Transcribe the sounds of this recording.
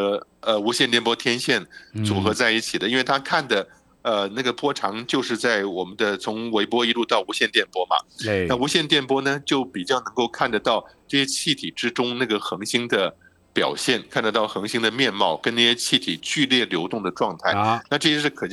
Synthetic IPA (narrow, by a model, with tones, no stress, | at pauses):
ə˧u˧˥ɕjɛ˥˧nt̪jɛ˥˩npwɔ˥t̪ʰjɛ˥nɕjɛ˥˩nt͡su˨˩xɤ˧˥t͡sa˥˧ɪi˥˩t͡ɕʰi˨˩d̪ə˦i˥nwe˥˩ɪt̪ʰa˥kʰa˥˩nd̪ə˩ | ə˧na˥˩ɡə˩pwɔ˥ʈ͡ʂʰɑ˧˥ŋt͡ɕjo˥˧ʊʂ̬ɻ̩˥˧t͡sa˥˩ɪwɔ˨˩mə˦nd̪ə˧t͡sʰʊ˧˥ŋwe˧˥ɪpwɔ˥i˧˥lu˥˧t̪ɑ˥˩ʊu˧˥ɕjɛ˥˧nt̪jɛ˥˩npwɔ˥mɐ̰˨a˥˩u˧˥ɕjɛ˥˧nt̪jɛ˥˩npwɔ˥nə˩˨t͡ɕjo˥˩ʊpi˨˩t͡ɕjɑ˥˩ʊnɤ˧˥ŋko˥˧ʊkʰa˥˩nd̪ə˩t̪ɑ˥˩ʊʈ͡ʂɤ˥˩ɕjɛ˥t͡ɕʰi˥˩t̪ʰi˨˩ʈ͡ʂɻ̩˥ʈ͡ʂʊ˥ŋna˥˩ɡə˩xɤ˧˥ŋɕi˥ŋd̪ə˧ | pjɑ̰˨˩ʊɕjɛ˥˩nkʰa˥˩nd̪ə˩t̪ɑ˥˩ʊxɤ˧˥ŋɕi˥ŋd̪ə˨mjɛ˥˧nmɑ˥˩ʊkə˥na˥˧˩ɕjɛ˥t͡ɕʰi˥˩t̪ʰi˨˩t͡ɕy˥˧ljɛ˥˩ljo˧˥ʊt̪ʊ˥˩ŋd̪ə˩ʈ͡ʂwɑ˥˧ŋt̪ʰa˥˩ɪna˥˧ʈ͡ʂɤ˥˧ɕjɛ˥ʂɻ̩˥˩kʰɤ˨˩t͡ɕ